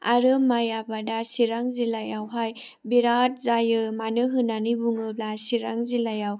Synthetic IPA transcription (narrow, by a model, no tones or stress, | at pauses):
a̰ɾɯmajabadasiɾaŋzilajawɦaj | biɾat̚zajɯmanɯɦɯnanibuŋɯblasiɾaŋzilajaw